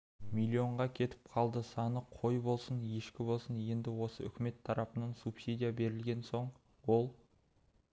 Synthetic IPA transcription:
milʲːio̞ɴʁɑkʲʰe̞t̪ɪ̥p̚qʰɑlˠd̪əsɑnəqʰo̞jbo̞lˠsənje̞ʃkʲɪbo̞lˠsənje̞nd̪ɪwo̞səʏ̰kʲɪme̞t̪ʰːɑɾɑpənɑnsupsʲid̪ʲijabe̞ɾɪlɡʲe̞nso̞ɴ | wo̞lˠ

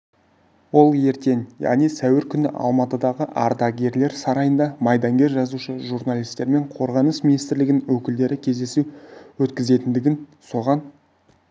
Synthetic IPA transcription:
wo̞lˠje̞ɾt̪e̞ŋjɑ̰ʁnijsæwɪɾkʲʰʏnɪ̰ʔɑ̰lˠmɑt̪əd̪ɑʁəʔɑɾd̪ɑɡʲe̞ɾle̞ɾsɑɾɑjənd̪ɑmɑjd̪ɑŋɡʲe̞ɾʒɑzuʃəʒuɾnɑlʲˠijst̪e̞ɾme̞ɴqʰo̞ɾʁɑnəsminijst̪ɪɾlɪɡ̪ʲɪnwɵkʲɪld̪e̞ɾɪkʲʰe̞zd̪e̞suwɵt̪kʲɪze̞t̪ɪnd̪ɪɡʲɪnso̞ʁɑn

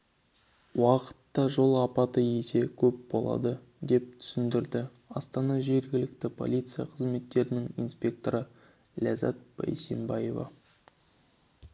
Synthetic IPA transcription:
wɑqə̥t̪ːɑʒo̞lˠɑpɑt̪əje̞se̞kʲʰɵp̚bo̞̰lˠɑ̰d̪ə | d̪e̞p̚t̪ʰʏ̥sɪnd̪ɪɾd̪ɪ | ɑst̪ɑnɑʒe̞ɾɡʲɪlɪk̚t̪ɪpʰo̞̰lʲit̪sɨjɑ̰qʰəzme̞t̪ːe̞ɾɪnɪŋinspʲe̞k̚t̪o̞ɾə | lʲæzɑ̰t̪̚bæ̰jse̞mbɑje̞vɑ̰

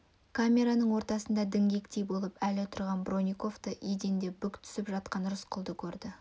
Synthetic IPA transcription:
kʰamʲe̞ɾanəɴwo̞ɾt̪ɑsənd̪ɑd̪ɪŋɡʲe̞kt̪e̞jbo̞lˠəpælɪt̪ʰʊɾʁɑnbro̞nʲijko̞ft̪əʔed̪e̞nd̪e̞bʏkt̪ʰʏ̥sɪpʒɑt̪̚qɑnɾʊsqʰʊlˠd̪əkʲʰɵɾd̪ɪ

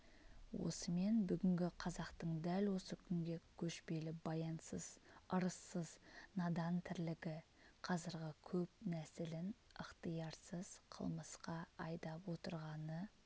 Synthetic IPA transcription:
wo̞̰səme̞nbʏɡʲɪŋɡʲɪqʰɑzɑqt̪əɴd̪ælwo̞səkʲʰʏŋɡʲe̞kʲʰɵʃpe̞lɪbɑjɑnsəz̥əɾəsːəznɑd̪ɑnt̪ʰɪɾlɪɡʲɪ | qʰɑzɪɾʁʲɪkʲʰɵp̚næsɪlɪnəqt̪əjɑɾsəz̥qʰə̰lˠməsqɑɑjd̪ɑpwo̞t̪əɾʁɑnə

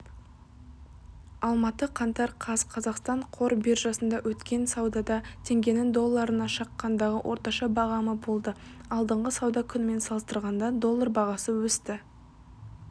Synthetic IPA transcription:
ɑlˠmɑt̪əqʰɑnt̪ɑɾqʰɑzqʰɑzɑqst̪ɑɴqʰo̞ɾbiɾʒɑsənd̪ɑwɵt̪kʲe̞nsɑwd̪ɑd̪ɑt̪ʰe̞ŋɡʲe̞nɪŋd̪o̞lˠːɑɾənɑʃɑqːɑnd̪ɑʁəwʔoɾt̪ɑʃɑbɑʁɑməbo̞lˠd̪əɑlˠd̪əɴʁəsɑwd̪ɑkʲʰʏnɪme̞nsɑlˠəst̪əɾʁɑnd̪ɑd̪o̞lˠːaɾbɑʁɑsəwɵst̪ɪ

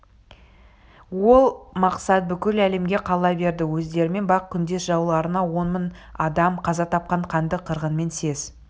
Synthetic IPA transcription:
wo̞lˠmɑqsɑt̪̚bʏkʲɪlæle̞mɡʲe̞qʰɑlˠɑbe̞ɾd̪ɪwɵzd̪e̞ɾɪme̞nbɑq̚kʲʰʏnd̪e̞sʒɑwlˠɑɾənɑwo̞nmən | ɑd̪ɑmqʰɑzɑt̪ʰɑp̚qɑɴqʰɑnd̪əqʰəɾʁənme̞nse̞z̥

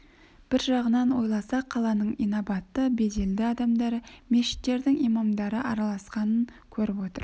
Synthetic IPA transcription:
b̥ɪɾʒɑʁənɑnwo̞jlˠɑsɑqʰːɑlˠɑnəɴijnobɑt̪ːəbe̞d̪e̞ld̪ɪɑd̪ɑmd̪ɑɾəmeʃɪ̥t̪ːe̞ɾd̪ɪŋijmɑmd̪ɑɾəʔɑɾɑlˠɑsqɑnəŋ | kʲʰɵɾɪpwo̞t̪ə̰ɾ

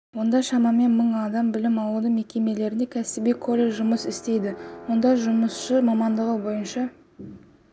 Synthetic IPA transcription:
wo̞nd̪ɑʃɑmɑme̞nməɴɑd̪ɑmbɪlɪmɑlˠud̪əme̞kʲe̞me̞le̞ɾɪne̞kʲʰæsɪbijkʰo̞lʲeʒʊməsɪst̪e̞jd̪ɪwo̞nd̪ɑʒʊməsʃəmɑmɑnd̪əʁəbo̞jənʃɑ

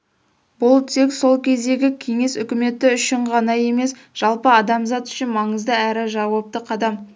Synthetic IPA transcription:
bʊlˠt̪ʰe̞kso̞lˠkʲʰe̞zd̪e̞ɡʲɪkʲʰe̞ŋe̞sʏkʲɪme̞t̪ːɪʏʃɪɴqɑnɑje̞me̞s | ʒ̥ɑlˠpəɑd̪ɑmzɑt̪ʏ̥ʃɪnmɑɴəzd̪əæɾɪʒɑwop̚t̪əqʰɑd̪ɑm

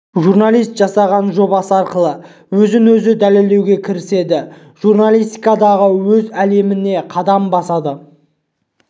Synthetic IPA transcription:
ʒuɾnalˠijst̪ʒ̥ɑsɑʁɑnʒo̞bɑsəɑɾqəlˠə | wɵzɪnwɵzɪd̪æle̞ld̪ewɡʲe̞kʲʰɪɾɪse̞d̪ɪ | ʒ̥uɾnalˠijst̪ikɑd̪ɑʁəwɵzæle̞mɪne̞qʰɑd̪ɑmbɑsɑd̪ə

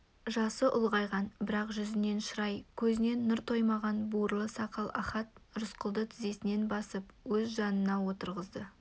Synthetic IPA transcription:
ʒɑsəʔʊlˠʁɑjʁɑnbɪɾɑqʒʏzɪne̞nʃəɾɑjkʲʰɵzɪne̞nːʊɾt̪ʰo̞jmɑʁɑnbuɾlˠəsɑqɑlˠɑ̰χɑt̪ʒʊsqəlˠd̪ət̪ʰɪze̞sɪne̞nbɑsəpwɵzʒɑnənɑwo̞t̪əɾʁəzd̪ə

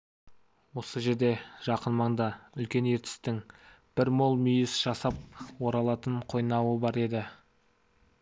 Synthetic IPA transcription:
wo̞səʒe̞ɾd̪e̞ʒ̥ɑqənmɑɴd̪ɑʏlkʲe̞ne̞ɾt̪ɪ̥st̪ɪŋ | b̥ɪɾmo̞lˠmʏjɪsʒ̥ɑsɑp̚wo̞ɾɑlˠɑt̪əɴqʰo̞jnɑwəbɑɾe̞d̪ɪ

